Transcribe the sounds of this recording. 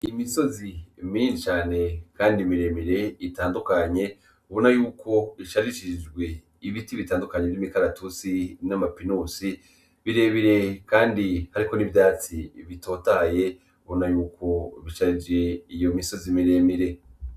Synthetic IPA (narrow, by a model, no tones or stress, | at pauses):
imiso̞zimint͡ʃaːne̞kaːndimiɾe̞ːmiɾe̞itaːndukaɲe̞ | uβonajuːkʰo̞iʃaɾiʃid͡ʒɡwe̞ | iβitiβitaːndukaɲeimikaɾatut͡sinamapinuːsi | βiɾe̞βiɾe̞kaːndihaɾiko̞nivjaːt͡siβito̞ːtaje̞ | uβonajuːkʰo̞βiʃaɾid͡ʒe̞ijo̞miso̞zimiɾe̞ːmiɾe̞